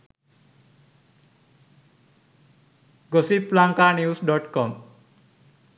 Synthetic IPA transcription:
ɡʌsiplaŋkanjusɖʌʈkʌm

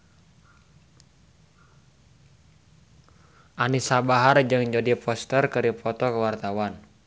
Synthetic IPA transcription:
ʔanisabaɦard͡ʒɨŋd͡ʒadipɔst̪ərkɨɾipʰɔt̪ɔkəwart̪awan

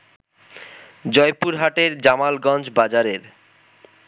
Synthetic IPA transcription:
d͡ʑɔjpuɾɦaʈeɾd͡ʑamalɡɔnd͡ʑbad͡ʑaɾeɾ

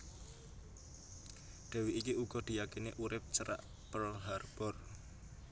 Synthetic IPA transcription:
ɖ̪̥ɛ̤wiːkiuɡ̥ɔ̤d̪̥i̤jakiniʔuɾɪp̚t͡ʃəɾa̰ʔ | pəlɦarb̥ɔr

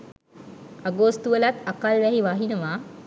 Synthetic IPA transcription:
aɡost̪uʋəlat̪akalʋɛɦiʋaɦinəʋaː

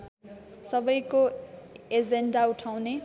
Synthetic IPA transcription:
sʌbʌjko | ed͡zeɳɖauʈʰaw̃ne

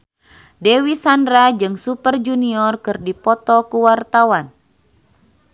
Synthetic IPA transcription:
dɛwisandɾad͡ʒɨŋsupərd͡ʒuniɔrkɨrdipɔt̪ɔkuwart̪awan

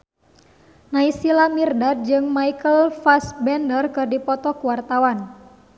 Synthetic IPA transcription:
naisilamirdad̪̚d͡ʒɨŋmaikəlfasbɛndərkɨrdipɔt̪ɔkuwart̪awan

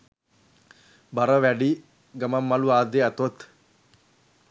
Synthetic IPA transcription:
baɾəʋæɖi | ɡamamːaluaːd̪eat̪ot̪

